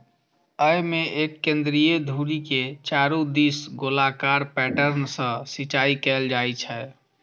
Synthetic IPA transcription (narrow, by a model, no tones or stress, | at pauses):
əjmeʔekːẽnd̪ɾijed̪ʱuɾiket͡ʃaɾũd̪isɡolakaɾpɛʈəɾnsə̃sit͡ʃaikɛld͡ʒajt͡ʃʰɛ